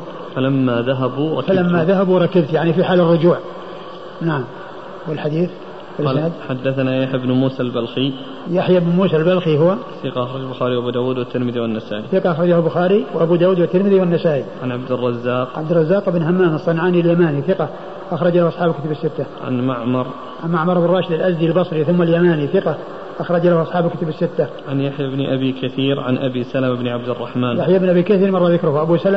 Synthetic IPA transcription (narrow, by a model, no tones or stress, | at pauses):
falamːaðaɦabuɾˤɑfalamːaðaɦabuɾˤɑkɪbt̪jaʕnifiħaːlɪrˤːʊd͡ʒuːʕ | naʕam | wɪlħad̪iːθ | wɪlɪsnaːd̪ħad̪ːaθnajaħjɪbnmuːsalbalxi | jaħjɪbnmuːsalbalxiɦʊwaθɪqɑʔxɾˤɑd͡ʒalbʊxaːɾiwʔabuːd̪aːwuːd̪wɪt̪ːɪɾmɪðiwanːasaːʔiθɪqɑʔɑxɾˤɑd͡ʒahbʊxaːɾiwʔabud̪aːwuːd̪wɪt̪ːɪɾmɪðiwɪnːasaːʔiʕanʕabd̪ɪrˤːɑzːaːqʕabd̪ɪrˤɑzːaːqɪbnhamːaːnɑsˤːɑnʕaːniɪljamaːniθɪqɑ | ʔaxɾˤɑd͡ʒlahʔɑsˤħɑːbalkʊt̪abɪsːɪt̪ːaʕa̰nmaʕmɑɾˤ | ʕanmaʕmɑɾˤɪbnrˤːɑːʃɪd̪ɪlʔazd̪ilbɑsˤɾiθʊmːaljamaːniθɪqɑ | ʔɑxɾˤɑd͡ʒlahʔɑsˤħɑːbɪlkʊt̪abɪsːɪt̪ːa | ʕanjaħjabnʔabikaθiːɾʕa̰nʔa̰bisalamɪbnʕab̚d̪ɪrˤːɑħmaːnjaħjaɪbnʔabiːkaθiːɾmɑrˤːɑðɪkɾʊhʔabusalm